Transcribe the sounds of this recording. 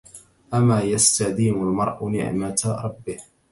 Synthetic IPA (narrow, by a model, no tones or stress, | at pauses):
ʔamaːjast̪ad̪iːmalmɑɾˤʔnɪ̰ʕmat̪aɾˤɑbːɪh